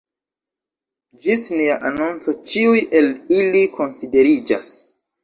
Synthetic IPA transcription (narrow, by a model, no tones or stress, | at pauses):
d͡ʒisniaʔanunt͡so̞t͡ʃiujʔe̞lilikʰo̞nside̞ɾid͡ʒa̰s